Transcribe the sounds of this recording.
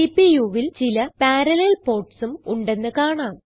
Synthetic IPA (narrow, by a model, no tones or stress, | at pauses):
ipijuʋilt͡ɕilɐpaːɾɐlelpo̞ːrʈsumuɳɖe̞nːɨkaːɳaːm